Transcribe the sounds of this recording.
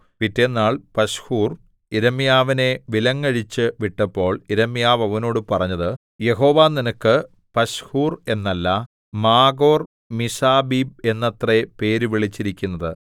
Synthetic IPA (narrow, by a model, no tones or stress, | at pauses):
pitːe̞nːaːɭpɐɕhuːr | iɾɐmijaːʋine̞ʋilɐŋːɐɻit͡ɕːɨʋiʈːɐpːo̞ːɭiɾɐmijaːʋɐʋɐno̞ːɽɨpɐrɐɲːɐðɨ | je̞ɦo̞ːʋaːninɐkːɨ | pɐɕhuːre̞nːɐlːɐ | maːɡo̞ːr | misaːbiːb̚e̞nːɐt̪repe̞ːɾuʋiɭit͡ɕːiɾikʲːunːɐðɨ